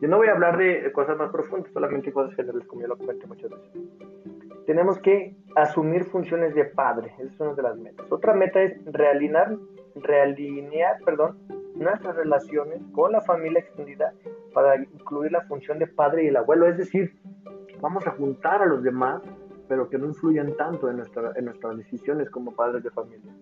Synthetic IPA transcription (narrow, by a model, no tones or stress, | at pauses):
onoβo̞jaːβlaɾðeko̞sazmaspɾo̞fũnd̪ḁsːo̞lamẽ̞nt̪ekosasxenɾaleskomojolokome̞nt̪omut͡ʃoðeso | t̪e̞ne̞mo̞ske̞asumiɾfunsjo̞ne̞zðe̞paðɾe̞eso̥sunaðe̞lazme̞t̪ḁso̞t̪ɾame̞t̪ae̞srealinaɾ | realineaɾpe̞ɾðo̞nnwest̪ɾasre̞lasjo̞ne̞sko̞nlafamiljaekst̪end̪iðapaɾaiŋkluiɾlafunsjo̞nd̪e̞paðɾe̞ielaβwe̞lo̞e̞zðe̞siɾbamo̞saxunt̪aɾalo̞zðe̞maspe̞ɾo̞keno̞influʝant̪ant̪oenwest̪ɾaenːwest̪ɾazðesisjo̞ne̞sko̞mo̞paðɾe̞zðe̞familja